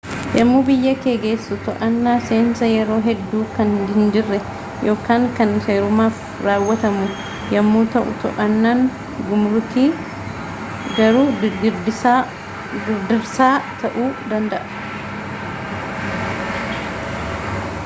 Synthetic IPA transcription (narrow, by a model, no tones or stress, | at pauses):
jɐmːuːbɪjːɐkeːɡeːsːʊt̪ɔʔɐnːaːseːnsɐjɛɾo̞ːɦɛd̪ːuːkɐndɪnd͡ʒɪrːɛ | jo̞ːkaːŋkɐnseːɾʊmaːf | ɾaːwːɐt̪ɐmʊ | jɐmːuːt̪ɐʔʊ̰t̪ɔ̰ʔɐnːaːŋ | ɡʊmɾʊt̪iː | ɡɐɾuːɪɾd̪ɪa | ɡɪɾd̪ɪɾsaːt̪ʰɐʔuːd̪ɐnd̪ɐʔɐ̥